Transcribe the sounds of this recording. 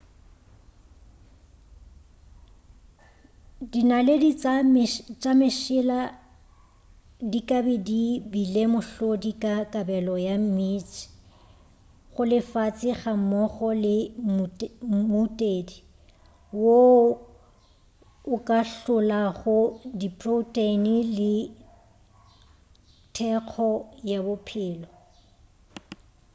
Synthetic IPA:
dinaledi | t͡ʃʼamɪʃɪla | dikʼabɪdibilemʊɬodikʼakʼabɛlɔjam̩mit͡ʃɪ̥ | χʊlɪfat͡sʼɪχamɔχɔlɪ | mutʼeːdi | wo | ʊkʼaɬʊlaχʊdipʼrotʼenilɪ | tʰɛq͡χʰɔjabʊpʰɪːlɔ

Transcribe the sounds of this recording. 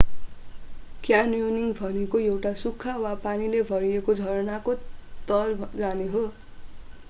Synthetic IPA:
kjanjoniŋbʱʌnekoewʈasukʰːawapanilebʱʌɾijekod͡zʱʌɾʌnakot̪ʌld͡zaneɦo

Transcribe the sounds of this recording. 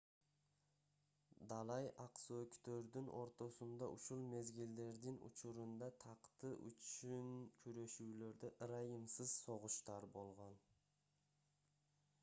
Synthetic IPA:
d̪ɑlˠɑjʔɑqsoøkʲt̪øɾd̪ɪnʔo̞̰ɾt̪osʊnd̪ɑʔʊʃulˠme̞zɡʲɪld̪e̞ɾd̪ɪnʊ̰t͡ʃʰʊɾʊnd̪ɑt̪ʰɑqt̪əʔʏ̰t͡ʃynkʲʰyɾe̞ʃule̞ɾd̪eʔɾɑjəmsəz̥so̞ʁʊʃt̪ɑɾbo̞lˠʁɑn

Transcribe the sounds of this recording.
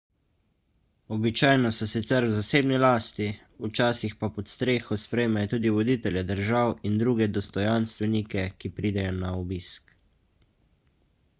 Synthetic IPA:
ɔbit͡ʃaːjnɔsɔsit̪sɛɾwzaseːbnilaːst̪i | ut͡ʃaːsixpapɔt̪st̪ɾeːxɔspɾɛjmajɔt̪uːd̪iʋɔd̪iːt̪ɛljɛd̪əɾʒawind̪ɾuːɡɛd̪ɔst̪ɔjanst̪ʋɛnikɛkipɾiːd̪ɛjɔnaɔbiːsk

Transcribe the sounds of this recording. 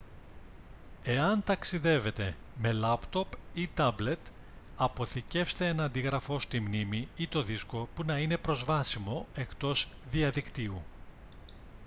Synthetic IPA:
e̞ɐnt̪ɐksiðe̞ve̞t̪e̞ | me̞lɐpt̪o̞pit̪ɐble̞t̪ | ɐpo̞θice̞fst̪e̞enɐnd̪iɣɾɐfo̞st̪imnimiit̪o̞ðisko̞punɐinepɾo̞zvɐsimo̞e̞kt̪o̞zðiɐðikt̪iu

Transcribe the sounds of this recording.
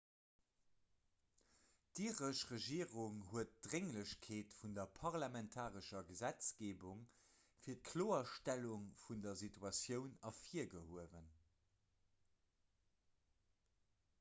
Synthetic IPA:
d̥iːʁəʃʁəʒiːəʁuŋhuət̚d̥ʁeŋləɕkʰeːtfundɐpʰɑʁlamɛntʰaːʁəʃɐɡəzæt͡sɡ̥eːbuŋ | fiːɐt̚kʰloːɐʃtæluŋfundɐzitʰuɑsjəʊnɑfiːɐɡəhuəvən

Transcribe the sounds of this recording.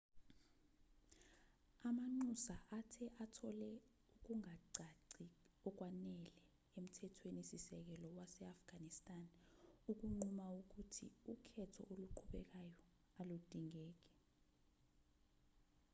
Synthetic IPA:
amaŋ͡ǃusaʔatʰɛʔatʰɔlɛ | uk̬uŋaǀʱaǀiɔk̬wanɛlɛ | em̩tʰɛtʰwenisisɛk̬ɛlɔwasɛafɡ̥ʱanistʼanuk̬uŋ͡ǃumauk̬utʰḭukʰɛtʰɔ̰ʔoluǃʰuɓɛk̬ajɔ | alud̥ʼʱiŋɛːk̬ɛ̥

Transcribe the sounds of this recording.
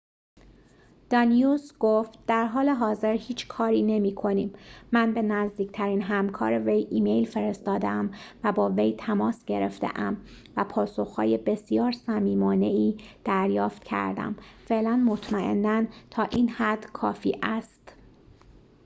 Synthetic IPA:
d̪̥ɒnijusɡ̥oft̪̚d̪̥æɾɦɒːle̞ɦɒːze̞ɾhiːt͡ʃʰkʰɒːɾiːne̞miːkʰo̞niːmːænbe̞næzd̪iːct̪ʰæɾiːnɦæmkʰɒ̰ːɾeve̞jʔiːmejlfe̞ɾe̞st̪ɒːd̪eæmvæbɒːve̞jt̪ʰæmɒːsɟ̥e̞ɾḛft̪ḛʔæm | væpʰɒːso̞xhɒ̰ːje̞be̞sijɒːɾsæmiːmɒːne̞iːd̪̥æɾjɒːft̪cʰæ̰ɾd̪æ̰mfeʔlænmot̪ʰmæʔe̞̰nːænt̪ʰɒːʔiːnhæd̪kʰɒ̰ːfḭːʔæst̪

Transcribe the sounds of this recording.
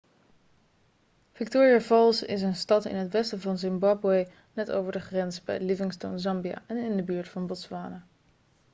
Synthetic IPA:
v̥ɪk̚toːɹiavɑlˠsɪ̰s̬ənstɑtɪ̰nɦətʋɛstəvɑnzɪmbɑbwej | nɛto̰wvəɹdəχrɛnzbɛ̰jəlivɪŋsto̰wnzɑmbia̰ʔɛnɪndəbyːɹtfɑnbɔtsʋaːnə

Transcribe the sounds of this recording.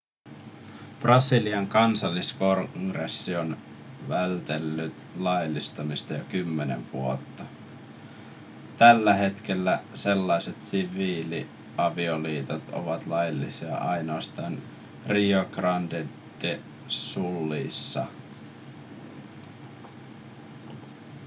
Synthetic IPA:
prɑsiliɑŋkɑnsɑlːiskoŋɡresːio̞n | ʋælt̪e̞lːyt̪lɑjlːist̪ɑmist̪ɑjokymːe̞nḛʋʋṵo̞̰t̪ːɑ | t̪ælːæɦe̞t̪k̟e̞lːæse̞lːɑjse̞t̪siʋiːli | ɑʋioliːt̪ot̪o̰ʋɑt̪lɑjlːisiɑ̰ʔɑjno̞ːst̪ɑːn | rioɡrɑnde | d̥e | sulːiːsːɑ̰

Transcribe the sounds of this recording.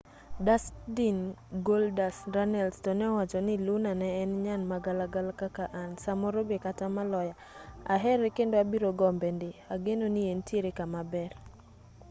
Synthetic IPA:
dasdinɡoldasɾanɛlstɔnɛwat͡ʃɔnɪlunanɛːnɲanmaɡalaɡalkakaʔansamɔɾobekatamalɔja | aɦɛɾɛkendoabiɾoɡɔmbɛndɪaɡenonientjeɾekamabɛr

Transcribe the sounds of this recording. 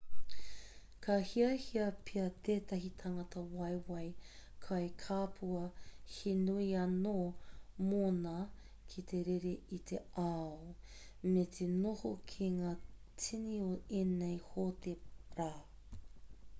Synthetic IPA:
kʰɐhiɐhiɐpʰiɐt̪ʰeːt̪ɐɦitʰɐŋɐtɐwɐjwɐjkʰɐjkʰaːpʰuɐhenuiɐnoːmonɐ | kʰitʰeɾeɾeitʰeao | metʰenohokʰiŋaːt͡sʰinioeːnejhoteɾaː

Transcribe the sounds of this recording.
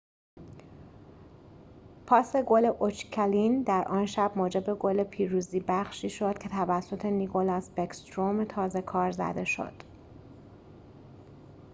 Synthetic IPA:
pʰɒːse̞ɡoleʔot͡ʃcʰælind̪æɾʔɒːnʃæbmoːd͡ʒe̞be̞ɡole̞pʰiːɾuːziːbæχʃiːʃo̞d̪̥̚cʲʰe̞t̪ʰævæsːo̞t̪ʰe̞nikʰolɒsbekst̪ɾomt̪ʰɒːze̞kʰɒːɾzæ̰d̪e̞ʃo̞̰d̪̥

